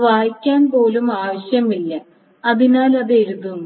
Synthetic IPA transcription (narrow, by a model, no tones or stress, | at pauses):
ʋaːjikʲːaːnpo̞ːlumaːʋɐɕjɐmilːɐ | ɐðinaːlɐðeɾuðun